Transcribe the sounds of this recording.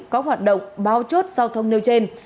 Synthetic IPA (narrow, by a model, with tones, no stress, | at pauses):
kɔ˨˦ɦwaː˨˩t̚ɗə̰˧˨wŋ͡mɓaː˨˦wt͡ɕo˦˥t̚zaː˧wt̪ʰə˧wŋ͡mne˧wt͡ɕe˧n